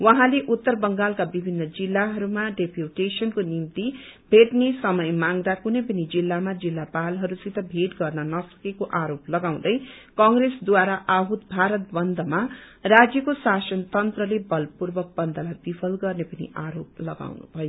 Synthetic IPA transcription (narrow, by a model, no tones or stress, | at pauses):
wʌɦãleʔut̪ːʌrbʌŋɡalkabibʱinːʌd͡zilːaɦʌɾumaɖepʰjuʈesʌnkonimt̪ibʱeʈnesʌmʌjmaŋɾakunʌjpʌnid͡zilːamad͡zilːapalɦʌɾusit̪ʌbʱeʈɡʌrnʌnʌsʌ̥kekoʔaɾoplʌɡaw̃d̪ʌj | kʌŋɡresd̪waɾaʔaɦut̪bʱaɾʌt̪̚bʌnd̪ʱʌma | rad͡zjʌkosasʌnt̪ʌnt̪rʌlebʌlpurbʌk̚bʌnd̪ʱʌlab̪ipʰʌlɡʌrnepʌnḭʔaɾo̰p̚lʌɡa̰wnṵbʱʌjo